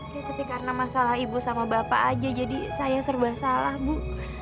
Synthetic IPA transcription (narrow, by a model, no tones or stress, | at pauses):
katət̪ikaɾənamasalaɦibusamabapaʔːd͡ʒad͡ʒadisajasərbasalahmu